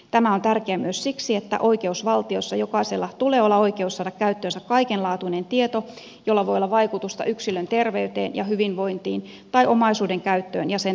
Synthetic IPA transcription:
t̪æmæont̪ærkeæmyøssiksiet̪ːæ̰ʔoike̞usʋɑlt̪iosːɑjokɑiselːɑt̪uleːolːɑoikeusːɑːdɑkkæyt̪ːøːnsækkɑikenlɑːt̪uinent̪iet̪o | jolːɑʋoiolːɑʋɑikut̪ust̪ɑ̰yksilønt̪erʋeyt̪ḛːnjɑ̰hyʋinʋo̞int̪iːn | t̪ɑiʔomɑisuːdeŋkæyt̪ːøːnjɑsen

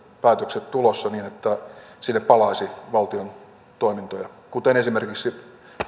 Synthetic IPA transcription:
pæːt̪økset̪t̪ulosːɑniːnet̪ːæsinːeppɑlɑisiʋɑlt̪ion | t̪oimint̪ojɑ | kut̪enesimerkiksi

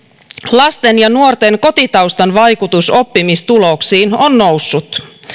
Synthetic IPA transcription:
lɑst̪enjɑnuort̪e̞ŋko̞t̪it̪ɑwst̪ɑnʋɑjkut̪uso̞pːimist̪ulo̞ksiːnonno̞wsːut̪

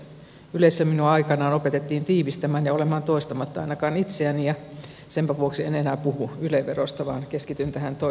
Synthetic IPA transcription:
yleisːæminuɑikɑnɑːnopet̪et̪ːiːnt̪iːʋist̪æmæːnjɑolemɑːnt̪oist̪ɑmɑt̪ːɑɑinɑkɑːnit̪seænijɑ | sempæʋuoksienenæːpuhuyleʋːerost̪ɑʋɑːnkeskit̪ynt̪æhænt̪o

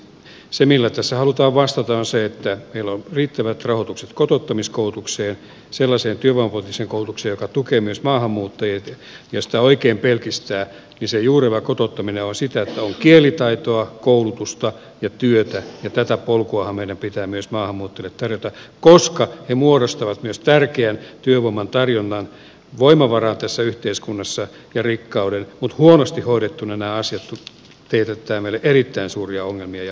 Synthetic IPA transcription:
semilːæt̪æsːæhɑlut̪ɑːʋʋɑst̪ɑt̪ɑonseet̪ːæmeilːonriːt̪ːæʋæt̪rɑhot̪ukset̪kot̪ot̪ːɑmiskoult̪ukseːn | selːɑseːnt̪yøʋɑmpolt̪ːiseːŋkoulut̪ukseːjokɑt̪ukeːmyøsmɑːhɑmːuːt̪ːɑjet̪ | jɑsi̥t̪æoikeːmpelkist̪æː | nisejuːreʋækot̪ot̪ːɑmineonsit̪æet̪ːæoŋkielˑit̪ɑit̪oɑkoulut̪ust̪ɑ | jɑt̪yøt̪æjɑt̪æt̪æpolkuɑhɑmmeiɾæmpit̪æːmyøsmɑːhɑmːuːt̪ːelet̪ːɑrjot̪ɑkoskɑhemuoɾost̪ɑʋɑt̪myøst̪ærkeænt̪yøʋoimːɑnt̪ɑrjonːɑn | ʋoimɑʋɑrɑːnt̪æsːæyht̪eiskunːɑsːɑ | jɑrikːɑudenmut̪huonost̪ihoiɾet̪ːunænæːɑsiɑt̪u | t̪eit̪et̪ːæːmeilːeʔerit̪ːæinsuːriɑoŋːelmiɑjɑ

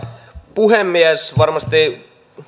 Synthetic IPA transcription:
puɦemːiæsʋɑrmɑst̪i

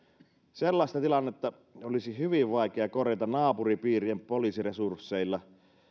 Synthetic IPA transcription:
selːɑˑist̪ɑt̪ilɑnːet̪ːɑ | olisihyʋiʋʋɑikeɑkorjɑt̪ɑnɑːpuripiːriempoliːsiresursːeilːɑ

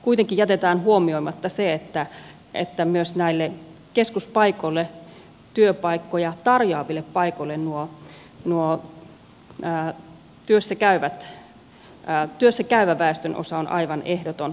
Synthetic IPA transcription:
kuit̪eŋkijjæt̪et̪æːnhuomioimɑt̪ːɑseet̪ːæ | ʔḛt̪ːæmyøsnæilːekeskuspɑikolːe | t̪yøpɑikːojɑt̪ɑrjoɑʋilːeppɑikoilːennuo | nuo | t̪yøsːækæyʋæt̪ | t̪yøsːækæyʋæʋæˑest̪ønʔo̰sɑonʔɑ̰iʋɑnehdot̪on

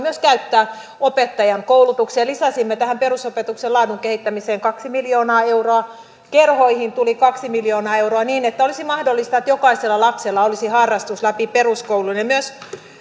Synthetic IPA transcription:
myøskæyt̪ːæː | opet̪ːɑjɑŋkoulut̪ukseːlisɑsimːet̪æhæmperusopet̪ukselɑːduŋkehit̪ːæmiseːŋkɑksimiljoːnɑːeuroɑ | kerhoihint̪ulikɑksimiljoːnɑːeuroɑniːnet̪ːæolisimɑhdolːˑist̪ɑet̪jokɑiselːɑlɑpselːɑolisihɑrːɑst̪uslæpiperuskoulunemyøs

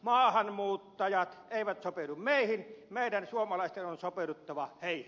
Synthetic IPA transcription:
mɑːhɑnmuːt̪ːɑjɑt̪eˑiʋæt̪sopelummeˑihinmeˑidænsuomɑlɑˑist̪enonsopelut̪ːɑʋɑheˑih

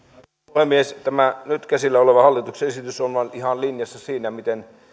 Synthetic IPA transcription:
hemiest̪æmænyt̪kæsilːæoleʋɑhɑlːit̪ukseesit̪ysonʋɑnihɑnlinjɑsːɑsiːnæmit̪en

